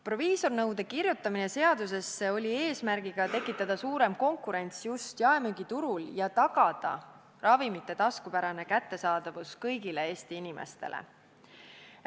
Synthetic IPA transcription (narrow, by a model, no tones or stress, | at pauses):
pro̞viːso̞rnɤwd̪e̞kirjut̪ˑːɑmine̞se̞ɑd̪us̬e̞sːe̞o̞lʲie̞ːsmærɡ̥iɡ̥ɑt̪e̞kːˑit̪ːˑɑd̪̥ɑsuːɾe̞mko̞ŋkˑuɾe̞nʲt̪sjust̪jɑemyɡ̥it̪uɾuljɑt̪ɑɡ̥ɑd̪̥ɑ̰ | rɑvimit̪ːe̞t̪ɑskupæɾɑne̞kæt̪ːe̞sɑːd̪̥ɑvuskɤjɡile̞e̞ːst̪iinimʔḛst̪e̞̰lʔḛ